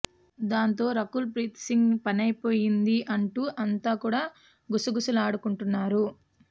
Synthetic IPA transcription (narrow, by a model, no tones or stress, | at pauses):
d̪aːnt̪o̞ːɾɐkulpɾiːt̪siŋɡpɐnɐjpo̞ːjind̪iʔɐɳʈuːʔɐnt̪aːkuːɽaː | ɡusuɡusulaːɽukuɳʈunːaːɾu